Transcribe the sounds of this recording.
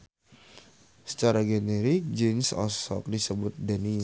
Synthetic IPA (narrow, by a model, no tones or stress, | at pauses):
sə̥t͡ʃaɾaɡeneɾik̚d͡ʒinsɔ̰sɔ̰k̚disəbʊt̪̚dani